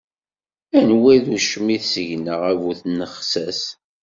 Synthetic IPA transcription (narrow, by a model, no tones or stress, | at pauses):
ænwæðuʃmiθsəʝnəʁævuθnəχsæs